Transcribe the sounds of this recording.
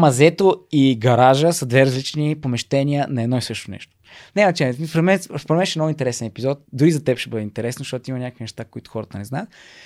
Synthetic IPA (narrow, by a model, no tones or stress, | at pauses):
mɐzɛt̪oiɡɐɾaʒəsəd̪vɛɾɐzlit͡ʃnipomɛʃt̪ɛnʲiənɐɛd̪nɔisɤʃt̪onɛ̰ʃt̪o̥ | nɛɐt͡ʃɛɛspɾɛd̪mɛnspɾɛmɛnʃɛmnɔɡʊint̪ɛɾɛsɛnɛpizɔt̪̚d̪uɾizɐt̪ɛpʃɛbɤd̪ɛint̪ɛɾɛsnozʃt̪ɔt̪imɐnʲakəkvinɛʃt̪akoit̪ʊ̥xɔɾət̪ənɛznaət̪̚